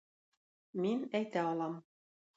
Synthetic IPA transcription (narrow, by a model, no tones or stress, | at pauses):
minæjt̪æɒlˠɑm